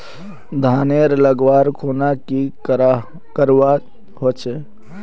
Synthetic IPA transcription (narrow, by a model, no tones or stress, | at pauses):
d̪ʱaneɾləɡʋaɾkʰonaki | kəɾa | ɦot͡ʃʰɛ